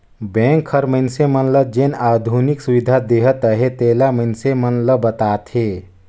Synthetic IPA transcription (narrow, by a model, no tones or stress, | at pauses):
bɛ̃ŋkʰːəɾməɪnsemənləd͡ʒenad̪ʱuniksuwid̪ʱad̪eɦətt̪əɦet̪elamənsemənləbət̪aːt̪ʰɦe